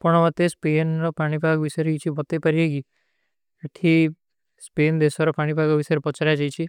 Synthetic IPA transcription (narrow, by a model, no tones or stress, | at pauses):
pɔɳ̃ɔmat̪espenɾɔpaɽ̃ibʱaɡʋisɔjɾeit͡ʃʰibɔt̪epɐɾieɡi | eʈʰi | speːnd̪esɔɾɔpaɽ̃ibʱaɡɔʋisɔjɾepɔt͡ʃɾjad͡ʒajt͡ʃʰi